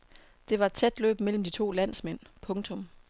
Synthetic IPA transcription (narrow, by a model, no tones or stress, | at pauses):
d̥e̝ʋɑ̈e̝d̥̚t͡sʰed̥lø̰ːb̥mel̰m̩d̥it͡sʰo̝̰ːlæn̰smen̰pʰɔ̽ŋt͡sʰɔ̽m